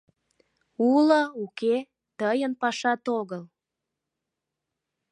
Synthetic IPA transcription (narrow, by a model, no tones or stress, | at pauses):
uləuke | t̪əjənpɑʃɑt̪oɣəl